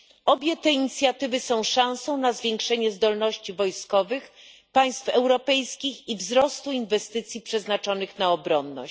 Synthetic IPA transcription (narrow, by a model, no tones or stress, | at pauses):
ɔbʲjɛt̪ɛiɲit̪sʲjat̪ɘvɘsɔ̃w̃ʂãw̃sɔ̃w̃nazvʲjeŋkʂɛɲɛzd̪ɔlnɔɕt͡ɕivɔjskɔvɘxpaj̃st̪fɛwɾɔpɛjskʲixivzɾɔst̪uinvɛst̪ɘt̪sʲjipʂɛznat͡ʂɔnɘxnaɔbɾɔnːɔ̰ɕt͡ɕ